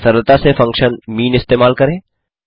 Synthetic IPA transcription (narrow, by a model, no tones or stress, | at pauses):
səɾəlt̪asefɐ̃ŋkʃənmiːnɪst̪eːmaːlkɐɾẽː